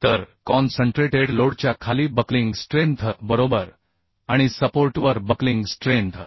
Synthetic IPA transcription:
t̪əɾkɔnsəɳʈɾeʈeɽloɽt͡ɕjakʰaliːbəkliŋɡsʈɾẽnt̪ʰbəɾobəɾ | aɽ̃isəpoɾʈʋəɾbəkliŋɡsʈɾẽnt̪ʰ

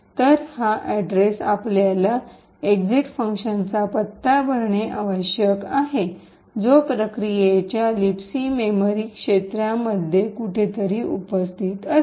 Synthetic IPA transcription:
t̪əɾhaʔæɖɾesapljala | eɡd͡ziʈfəŋkɕənt͡sapət̪ːabʱəɾɳeʔaʋəɕjəkaɦe | d͡zopɾəkɾijet͡ɕjalipsimemoɾikʂet̪ɾjaməd̪ʱjekuʈʰet̪əɾiːʔupəst̪ʰiːt̪ə

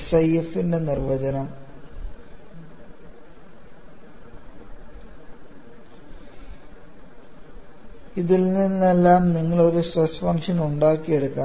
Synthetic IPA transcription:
sɐjefinde̞nirʋɐd͡ʑɐnɐm | iðilninːe̞lːaːmniŋːɐɭo̞ɾusrɐsfɐŋʂɐnuɳɖaːkːije̞ɽukːaː

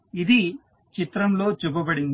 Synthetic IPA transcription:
id̪i | t͡ʃit̪ɾɐmlo̞ːt͡ʃubɐbɐɽin

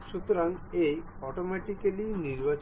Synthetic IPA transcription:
ʃut̪oɾaŋej | ɔʈomɛʈikaliniɾbat͡ɕ

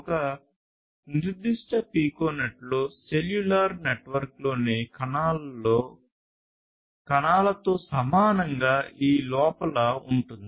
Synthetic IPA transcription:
ɔkɐ | niɾud̪ːiʂʈɐpiːkoːnɐʈloseljulaɾneʈʋɐɾklo̞ːnikː | kɐnaːlɐt̪o̞ːsɐmaːnɐŋɡaːʔiːlɔːpɐlɐuɳʈund̪ii

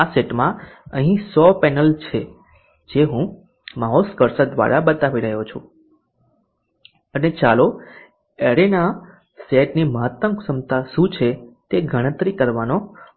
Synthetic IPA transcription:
aseʈmãəɦĩsɔpɛnəlt͡ʃʰe | d͡ʒeɦũ | maɦoskəɾsəd̪ʋa̰ɾabət̪aʋiɾəɦot͡ʃʰũ | ənet͡ʃalo | eɾena | seʈniməɦət̪əmsəmt̪aʃũt͡ʃʰet̪eɡʱəɽ̃ə̃t̪ɾikəɾʋano

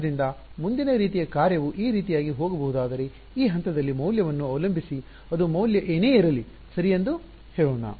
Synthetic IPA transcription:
ɾind̪ɐmund̪inɐɾiːt̪ijɐkaːɾjɐʋuʔiːɾiːt̪ijaːɡiɦoːɡɐbɐɦud̪aːd̪ɐɾe̞ | iːɦɐnt̪ɐd̪ɐlːimɐwljɐʋɐnːuɐʋlɐmbʱisi | ɐd̪umɐwljɐʔeːne̞ːiɾɐli | sɐɾijend̪u | heːɭoːɳɐ̰

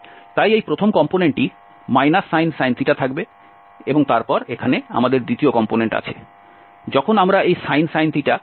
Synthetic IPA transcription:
t̪ajejpɾot̪ʰomkɔmponeɳʈi | majnasːajnsajnt̪iʈat̪ʰakbe | eboŋt̪aɾpɔɾekʰanea̰mad̪eɾd̪it̪iokɔmponeɳʈa̰t͡ɕʰe | d͡ʑɔkʰonamɾaejsajnsajnt̪iʈa

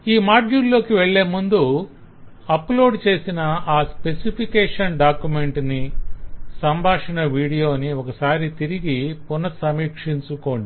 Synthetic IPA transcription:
iːmaːd͡ʒuːllːo̞ːkiʋeɭːe̞ːmund̪u | ɐplo̞ːɖt͡ʃe̞ːsinɐaːspe̞sipʰikeːʂɐnɖaːkjume̞ɳʈni | sɐmbʱaːʂɐnɐʋiːɽijo̞ːniɔkɐsaːɾit̪iɾiɡipunɐsɐmiːkʂiɲt͡ʃuko̞ːɳɖi

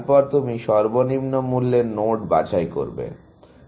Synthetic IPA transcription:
pɔɾt̪umiʃɔɾbonimnomulːenoʈba̰t͡ɕajko̰ɾbḛ

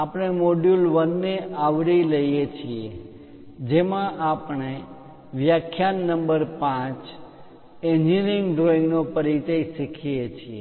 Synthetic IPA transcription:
apɳ̃emoɖjulʋənːeʔaʋɽiləjjet͡ʃʰie | d͡ʒemãʔapɳe | ʋjakʰːjanːəmbəɾpãt͡ʃ | ẽnd͡ʒinĩŋɡɖɾoĩŋɡnopəɾit͡ʃaiʃikʰijet͡ʃʰie

